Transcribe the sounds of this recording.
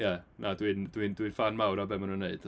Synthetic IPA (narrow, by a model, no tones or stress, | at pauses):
jɛnʔadwindwindwinfanmawɾabɛmanunːeɨd̥